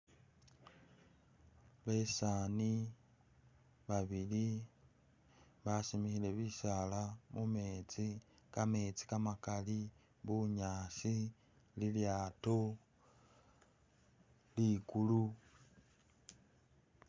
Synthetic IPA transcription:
βe̞saːni | βaβili | βasimixile̞βiʃalamume̞t͡sikame̞t͡si̥kamakali | βuɲaːsi | liljaːto | likulu

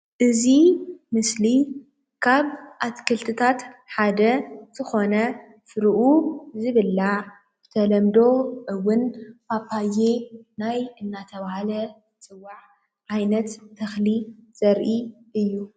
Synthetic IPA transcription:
ʔɨzimɨsli | kʰaβʔat̪kʰɨlt̪ʰɨt̪ʰat̪ħad̪ɐz̥ɨxo̞nɐ | fɨɾɨʔuzɨβɨlːa | bɨt̪ʰɐlɐmd̪o̞ʔɨwːʊnbʰapʰːaje̞najɨnːat̪ʰɐβahalɐ | t͡sʼɨwːaʕ | ʕajnɐt̪ːʰɐxliz̥ɐɾʔi | ʔɨjːu

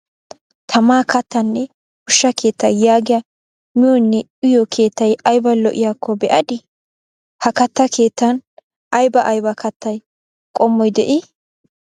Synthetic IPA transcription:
t̪ʰɐmaːkʰɐt̪ːɐnːɛ | hʊʃːɐke̞ːt̪ːɐ̰jjaːɡɪjɐ | mɪjɔnːɛ | ɪjɔkʰe̞ːt̪ːɐjɐjbɐlɔʔɪjaːkʰːɔbɛʔɐd̪ɪ | hɐkɐt̪ːɐkʰe̞ːt̪ːɐn | ʔɐjbɐʔɐjbɐkʰɐt̪ːɐj | kʼɔmːɔjd̪ɛʔɪ

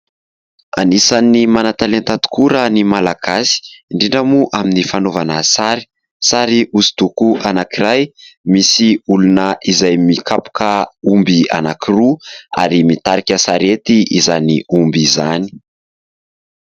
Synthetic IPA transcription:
a̰nisanːimanat̪alent̪at̪u̥kuɾənimalaɡ̥asi̥ɳɖ͡ʐiɳɖ͡ʐamuʔaminifanovanasaɾi̥ | saɾiʔusi̥t̪ukuʔanakiɾajmisiulunəʔizajmikapu̥kəumbia̰nakiruaɾimit̪aɾikʲasaɾet̪iizaniumbizani̥

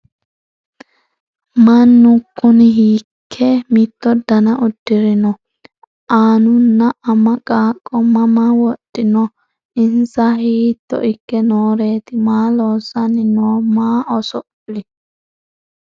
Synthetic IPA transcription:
mɐnːʊkːʊnɪɦiːkʰːɛmit̪ːɔd̪ɐnɐʔʊd̪ːɪɾɪnɔ | ʔaːnʊnːɐɐmɐkʼaːkʼːɔmɐmɐwɔt̪ʼːɪnɔ | ʔɪnsɐhiːt̪ːɔ̰ʔɪkːɛnoːɾeːt̪ɪmaːloːsɐnːɪnoːmaːʔɔsɔʔ | lɪ

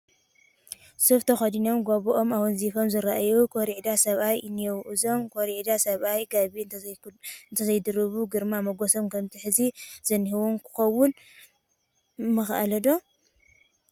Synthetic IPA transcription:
sɨft̪ʰɐxɐd̪inomɡoβɔʔomawɨnzifomzɨɾaʔajukʰoɾiʕd̪asɐβajɨnːjɛwʔuzomkʰoɾiʕd̪asɐβajɡaβi | ɨnt̪ʰɐzɐjd̪ɨɾɨβuɡɨɾmamɐɡosomkʰɐmt̪ʰiħɨziz̥ɐnhɨwomkʰɨ̥xɐwːʊn | mɨxʔa̰lɐd̪o̞

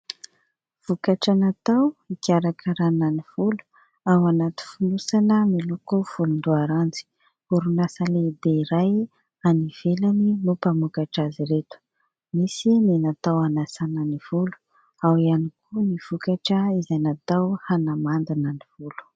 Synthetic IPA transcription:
v̥ukaʈ͡ʂanat̪awikʲaɾakʰaɾananiv̥ulu̥ | awanat̪u̥funusanəmilukuv̥ulund̪uaɾand͡zi̥ | uɾunasaled̪eɾaj | aniv̥elaninupamukaʈ͡ʂaziɾet̪u̥ | misininat̪awanasanəniv̥ulu̥ | awianikʰuniv̥ukaʈ͡ʂəizanat̪awhanamand̪anəniv̥ulu̥

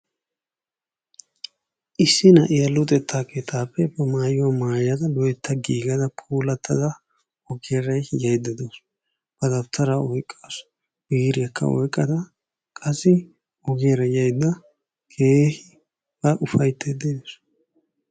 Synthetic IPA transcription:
ʔɪsːɪnɐʔɪjɐlːʊt̪ʼɛt̪ʰːaːkeːt̪ʰaːpːɛbɐmaːjʊwɐmaːjɐd̪ɐd̪ɔɛt̪ʰːɐɡiːɡɐd̪ɐpʰuːlɐt̪ʰːɐd̪ɐ | ɔɡeɾɐjjɐjd̪ɐd̪os | b̥ɐd̪ɐbt̪ʰːɐɾɐɔjkʼːas | biːɾɪjɐkʰːɐ̰ɔ̰jkʼːɐd̪ɐ | kʼɐsɪ | ɔɡeɾɐjɐjd̪ːɐ | kʰeːhɪ | b̥ɐʔʊfɐjt̪ʰːed̪ees

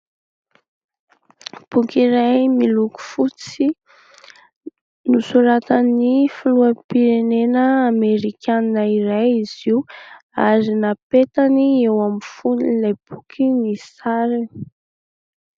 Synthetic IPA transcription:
b̥ukiɾajmiluku̥fut͡si | nusuɾat̪anifiluəpiɾenenəameɾikʲaninaiɾajiz̥iua̰ɾinapet̪aniewamifunilajb̥ukʰinisaɾi

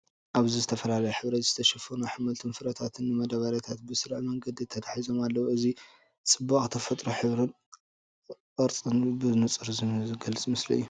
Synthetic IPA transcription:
ʔaβzizɨt̪ʰɐfɐlalɐjuħɨβɾɐt̪z̥ɨt̪ʰɐʃɐfɐnuħɨmɐlt̪ʰɨnfɨɾɐt̪ʰat̪ʰɨnːɨmɐd̪aβaɾat̪ʰat̪̚bɨsɨɾʕmɐŋɡɐd̪it̪ʰɐt̪ʰḁħizo̞malːɐwuʔɨzi | sʼɨbːaχʼt̪ʰɐfɐt̪ʼɾuħɨβɾɨn | ʔɨɾt͡sʼɨnbɨnɨt͡sʼɨɾzɡɐlɨt͡sʼmɨsliɨ̰jːu

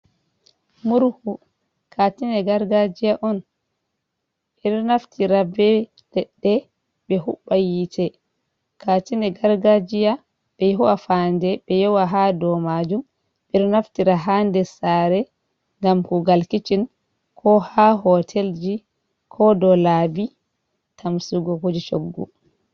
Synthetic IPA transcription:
muɾhu | kʰatinɛɡaɾɡad͡ʒijaʔɔn | ɓɛɾnaftʰiɾabɛ | lɛɗːɛ | bɛɦuɓːajitʰɛ | kʰatinɛɡaɾɡad͡ʒija | ɓ̥ɛjɦuwafandɛbɛjɔwaɦadɔmad͡ʒum | ɓɛɾnaftiɾaɦandɛsaɾɛ | ŋɡamkuɡalkit͡ʃin | kʰɔhaɦɔtʰeld͡ʒi | kʰɔdɔlaːbi | tʰamsuɡɔkud͡ʒit͡ʃoɡːṵ

